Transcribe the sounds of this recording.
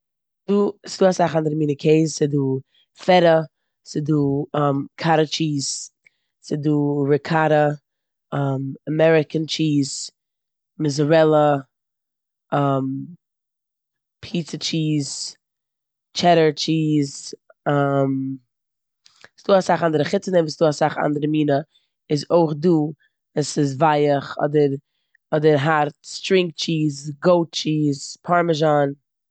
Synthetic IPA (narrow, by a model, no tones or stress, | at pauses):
sduːsɪduːasaχandɪɾmiːnəkʰeɪzsɪduː | fɛɾə | sɪduːamkʰaɾət͡ʃiːz̥ | sɪduːɾɪkʰaɾə | amamɛɾɪkənt͡ʃiːz̥ | mɪzɾɛlˠə | am | pʰiːt͡sət͡ʃiːz̥ | t͡ʃɛɾə˞t͡ʃiːz | am | sd̥uːasaχandəɾəχɪt͡sənɛmviːsduːasaχa̰ndəɾəmiːnə | ɪzoɪχduː | asɪz̬vaɪəχɔ̰dəɾ | ɔdəɾɦaɾtstɾɪŋk̚t͡ʃiːzɡoʊt̚t͡ʃiːzpʰaɾməʒan